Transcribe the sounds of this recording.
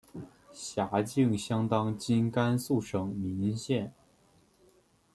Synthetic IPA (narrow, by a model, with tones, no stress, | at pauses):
ɕja˧˥t͡ɕi˥˩ŋɕjɑ˥ŋt̪ɑ˥ŋt͡ɕi˥nka˥nsu˥˩ʂɤ˨˩ŋmi˧˥nɕjɛ˥˩n